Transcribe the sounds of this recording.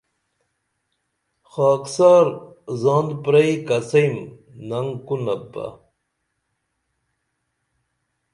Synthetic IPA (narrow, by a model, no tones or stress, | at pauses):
xaːksaːɾ | zɑ̃ːnd̪pɾɐikɐsɐjm | nɐŋkunɐbɐ̰